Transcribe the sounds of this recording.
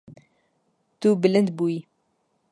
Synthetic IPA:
t̪ubɪlənd̪bui

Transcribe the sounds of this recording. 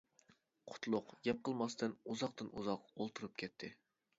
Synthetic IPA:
qʰʊ̥t̪ʰlˠʊqjɛp̚qʰəlˠmɑst̪ɨnuzɑqt̪ɨnuzɑqolˠt̪ʰɨɾɨpkʲʰɛt̪ʰːɪ

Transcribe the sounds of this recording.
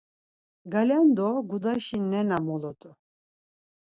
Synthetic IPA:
ɡalʲand̪ɔɡud̪aʃinɛnamɔlɔt̪ʼu

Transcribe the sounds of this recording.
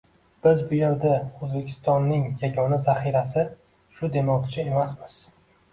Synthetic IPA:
b̥ɪzbʊjeɾd̪aɵzbe̞kʲʰɪ̥st̪ɒnːɪŋjaɡʲɒnazaχiɾasɪ | ʃʊd̪e̞mɒwt̪ʲʰɪt͡ʃʰae̞masmɪz̥

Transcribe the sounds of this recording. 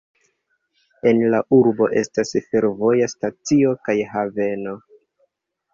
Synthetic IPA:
e̞nlaʔuɾbo̞ʔe̞stasfe̞ɾvo̞jastat͡sio̞kajɦave̞no̞

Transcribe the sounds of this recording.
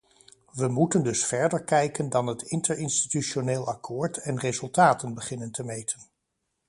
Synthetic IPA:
ʋəmutəndɵsfɛɹdəɹkɛjkəndɑnɦətɪntəɹɪnsti̥tyʃoneːlˠɑkʰʊːɹtɛnrezɵlˠtaːtənbəχɪnəntəmejtʰən

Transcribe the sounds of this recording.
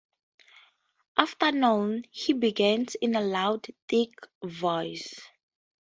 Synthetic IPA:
ʔaftənõnhibiɡɛ̃nsɪ̃nəlawdθɪkvɔɪs

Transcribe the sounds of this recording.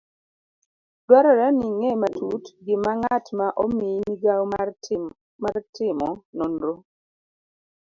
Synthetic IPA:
dwaɾɔɾɛniŋematʰutɡɪmaŋatmaʔominiɡaw | martɪmɔnonɾo

